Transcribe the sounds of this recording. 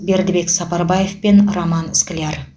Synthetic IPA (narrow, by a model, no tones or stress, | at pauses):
be̞ɾd̪ɪbe̞ksɑpɑɾbɑje̞fpe̞nromɑnɪskʲɪlʲar